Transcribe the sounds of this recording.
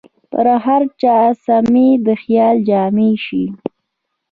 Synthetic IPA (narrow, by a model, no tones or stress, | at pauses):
pə̰ɾaɦaɾt͡ʃɑːsamed̪əxjɑːld͡ʒɑːmeʃi